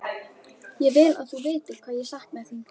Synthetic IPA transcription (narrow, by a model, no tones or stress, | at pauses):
jɛvɪla̰ðθuvɪːt̪ɪɾkʰvaːðjɛsaht̪mɛθin